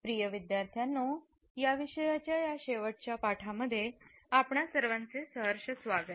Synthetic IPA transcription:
pɾijəʋid̪jaɾt̪ʰjanːo | jaʋiɕəjat͡ɕjajaɕeʋəʈ̚t͡ɕjapaʈʰaməd̪ʱːje | apɳasəɾʋant͡sesəɦəɾɕəsʋaɡət̪̚

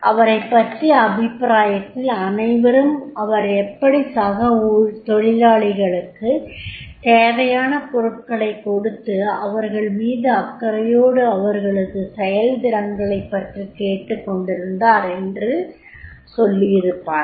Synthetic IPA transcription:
ʔɐʋɐɾɐɪpːɐʈriɐbɪpːɾaːjɐt̪ːɪlɐnɐɪʋɐɾɯmɐʋɐɾɛpːɐɽisaɣɐut̪ɔɻɪlaːɭɪɣɐɭɯkːɯt̪eːʋɐjaːnɐpɔɾɯʈ̚kɐɭɐɪkːɔɽɯt̪ːɯɐʋɐɾɣɐɭmiːðɯɐkːɐɾɐjoːɽɯɐʋɐɾɣɐɭɯɣɯsɛjɐld̪ɪɾɐŋɡɐɭɐɪpːɐʈrikeːʈːɯkːɔɳɖɪɾɯnd̪aːɾɛndrɯ | sɔlːɪjɪɾɯpːaːn

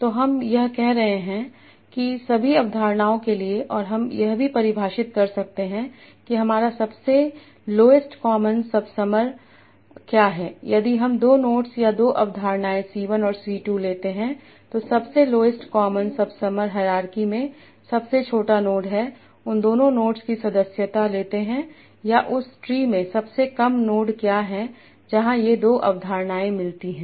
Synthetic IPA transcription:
t̪oːɦɐmjɐɦkɛɦɾɐɦẽɦɛ̃ | kisɐbʱiɐʋd̪ʱaːɾnaːõkelieʔɔːɾɦɐmjɐɦbʱipɐɾɪbʱaːʃɪt̪̚kɐɾsɐk̚t̪eɦɛ̃ | kiɦɐmaːɾasɐbse | loːɪsʈkɔːmənsɐbsɐməɾ | kjaːɦɛːjɐd̪iɦɐmd̪oːnoːʈsjad̪oːʔɐʋd̪ʱaːɾnaːẽsiːʋənɔːɾsiːʈuːleːt̪eɦɛ̃ | t̪osɐbseloːɪsʈkɔːmənsɐbsɐməɾɦɐɾaːɾkimẽ | sɐbset͡ʃʰoːʈanoːɖɦɛ | ʊ̃nd̪oːnõnoːʈskisɐd̪əsjət̪aleːt̪eɦɛ̃ | jaʔʊsʈɾiːmẽsɐbsekɐmnoːɖkjaːɦɛ̃ | d͡ʒɐɦãjed̪oːʔɐ̰ʋd̪ʱaːɾnaːẽmɪlt̪iɦɛ̃ː

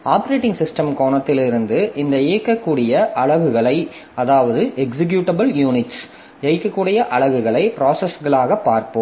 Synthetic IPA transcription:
aːpɐɾeːʈːɪŋɡsɪsʈɐmkoːɳɐt̪ːɪlɪɾɯnd̪ɯʔɪnd̪ɐɛɐkːɐkːuːɽɪjɐʔɐɭɐʋɯɣɐɭɐɪ | ɐðaːʋɐðɯʔɛksɪk̬juːʈɐbɐljuːnɪʈs | ɛkːɐkːuːɽɪjɐʔɐɭɐʋɯɣɐɭɐɪpɾaːsɛsɣɐɭaːɣɐpːaːɾpɯmm

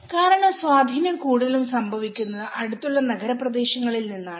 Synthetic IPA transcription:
kaːɾɐɳɐmswaːd̪ʱiːnjɐmkuːɽuðɐlumsɐmbʱɐʋikʲːunːɐðɨʔɐɽut̪ːuɭːɐnɐɡɐɾɐprɐd̪e̞ːɕɐŋːɐɭilninːaːɳɨ

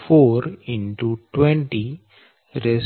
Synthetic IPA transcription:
foːɾɪ̃ɳʈuʈwẽɳʈi | ɾes

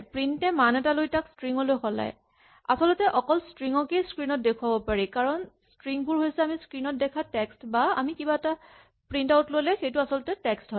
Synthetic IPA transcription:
pɹintɛmanɛtalojtakskɹiŋɔlojxɔla̰j | a̰sɔlɔtɛʔɔkɔlskɹiŋɔkejskɹinɔt̚dekʰuwabɔpaɹikaɹɔnskɹiŋbʊɹɦojsɛamiskɹinɔt̚dɛkʰatɛkstbaamikibaɛta | pɹintawtlojlɛxejtʊasɔlɔtɛtɛkstɦɔ

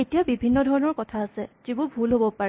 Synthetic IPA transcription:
etijabibʱinːɔdʱɔɹɔnɔɹkɔtʰaːsɛz̥ibʊɹbʱulɦobɔpaɹɛ

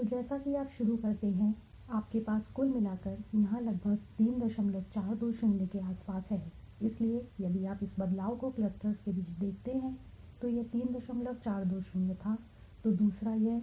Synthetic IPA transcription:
t̪od͡ʒɛːsakiaːpʃʊɾukɐɾt̪eɦɛ̃ | aːp̚kepaːsːkuːlmɪlaːkɐɾjɐɦãlɐɡ̚bʱəɡ̚t̪iːnd̪ɐʃəmləɡ̚t͡ʃaːɾd̪oːʃənjəkeaːspaːsɦɛː | ɪsliejɐd̪iaːpɪsbɐd̪laːokokləst̪ɾəskebiːt͡ʃd̪eːkʰt̪eɦɛ̃ | t̪ojet̪iːnd̪ɐʃə̃mləɡ̚t͡ʃaːɾd̪oːʃɪnjət̪ʰa | t̪od̪uːsɾajɛ

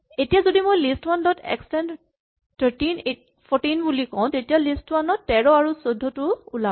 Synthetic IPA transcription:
etijazodimojlistwandɔtɛ̰kstɛn | tʰəɹtinet | pʰɔtinbulikɔ̃w̃tetijalistwanɔtːɛɹɔaɹusodʱːɔtʊula

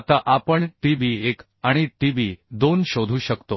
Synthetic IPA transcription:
t̪aʔapəɳʈiʋiek | aɽ̃iʈiʋid̪onɕod̪ʱuːɕəkt̪o

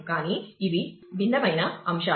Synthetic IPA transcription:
kaːniːʋibinːɐʋɐjnɐɐmʃa

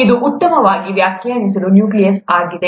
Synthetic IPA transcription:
id̪uʔːt̪ːɐmɐʋaːɡiʋjaːkʰjaːnis̬ɐlunjuːklijɐsaːɡid̪e

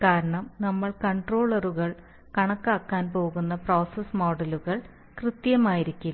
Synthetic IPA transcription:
kaːɾɐɳɐmnɐmːɐɭkɐɳɖroːɭɐruɣɐɭ | kɐɳɐkːaːkːaːnpo̞ːɣunːɐproːsɐsmoːɖɐluɣɐɭ | krɨt̪jɐmaːjiɾikʲːul

